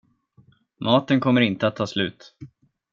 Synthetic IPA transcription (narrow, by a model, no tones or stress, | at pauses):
mɑːt̪ənkʰɔmːəɾɪnt̪əat̪ʰːɑːslʉ̟̰ːt̪